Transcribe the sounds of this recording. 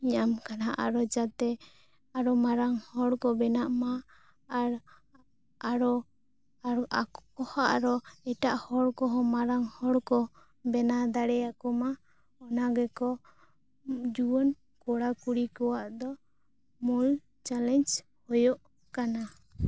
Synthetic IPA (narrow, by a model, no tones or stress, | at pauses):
iɲamkanaʔa̰ɾɔd͡ʒat̪ɛ | aɾɔmaɾaŋhɔɽkɔbɛnaʔmaː | ɾ | aɾɔ | akɔhaʔɾɔɛʈaʔhɔɽkɔɦɔmaɾaŋhɔɽkɔ | bɛnad̪aɽɛjakɔma | ɔnaɡɛkɔ | d͡ʒuwɔn | kɔɽakuɽikɔwaʔd̪ɔ | mul | t͡ʃalɛɲd͡ʒ | hɔjɔʔ | kana